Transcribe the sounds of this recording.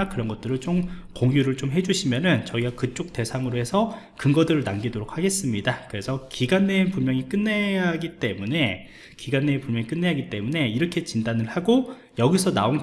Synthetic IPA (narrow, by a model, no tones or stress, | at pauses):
kɯɾʌnɡʌt̚t͈ɯɾɯɭt͡ɕomkoŋjuɾɯɭt͡ɕomɦe̞d͡ʑuɕʰimjʌnɯnt͡ɕʌiɡakɯt͡ɕ͈ok̚te̞sʰaŋɯɾoɦe̞sʰʌ | kɯŋɡʌdɯɾɯɭnamɡidoɾok̚haɡe̞s͈ɯmɲidakɯɾe̞sʰʌkiɡanːenpunmjʌŋik͈ɯnːe̞aɡit͈e̞mune̞ | kiɡanːenpumjʌŋik͈ɯnːe̞ɦaɡit͈e̞mune̞iɾʌkʰe̞t͡ɕindanɯɭhaɡo | jʌɡisʰʌnaon